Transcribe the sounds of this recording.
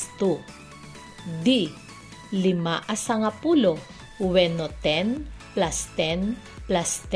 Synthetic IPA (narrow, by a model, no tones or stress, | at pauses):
t̪u | d̪i | lɪmaʔasɐŋapulo | wɛnot̪ɛnplast̪ɛn | plast̪